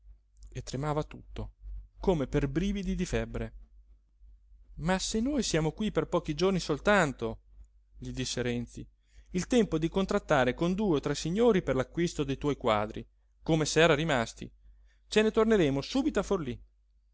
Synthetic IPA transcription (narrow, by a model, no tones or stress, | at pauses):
et̪ːɾemaːvat̪ut̪ːokomeperbɾiːvid̪id̪ifɛbːɾe | masenːoːjsjaːmokwiperpɔːk̟id͡ʒornisolt̪ant̪o | ʎid̪isːeɾɛnt̪si | ilt̪ɛmpod̪ikont̪ɾat̪ːaːɾekond̪uːeot̪ɾɛsːiɲːoːɾiperlakːwist̪od̪ejt̪wɔjkwa̰ːd̪ɾḭ | komesɛːɾaɾimast̪ḭ | t͡ʃenet̪orneɾeːmosuːbit̪oaforli